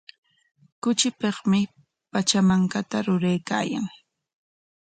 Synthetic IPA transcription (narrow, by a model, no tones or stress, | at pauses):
kʊt͡ʃɪpeχmɪ | pat͡ʃamaŋkat̪aɾʊɾejka̰ːja̰ŋ